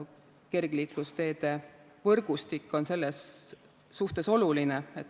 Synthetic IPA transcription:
ke̞rɡ̥liːklust̪e̞ːd̪̥e̞ | vɤrɡ̥ust̪ikːo̞nse̞lːesː | uht̪e̞so̞lulineet̪ː

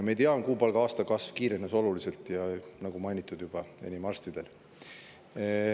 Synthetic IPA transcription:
mejt̪eɑnkuːpɑlɡ̥ɑɑːst̪ɑkɑsv̥kiːɾenːeso̞lulise̞lt̪ˑjɑnɑɡumɑjnʲit̪ːˑud̪jub̥ɑe̞̰nʲimɑrst̪id̪̥e̞l

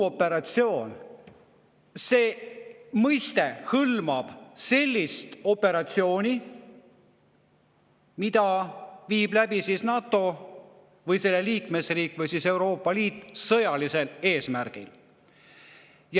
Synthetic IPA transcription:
o̞pːe̞ɾɑt̪sio̞ːn | se̞ːmɤjst̪e̞hɤlmɑb̥se̞lʲːist̪o̞pːe̞ɾɑt̪sio̞ːnʲi | mid̪ɑviːblæbisisnɑːt̪ːo̞ | vɤjse̞lːeliːkme̞sriːkːˑvɯjsise̞wɾo̞ːpːˑɑliːt̪ːˑsɤjɑlise̞le̞ːsmæɾɡ̥il | j

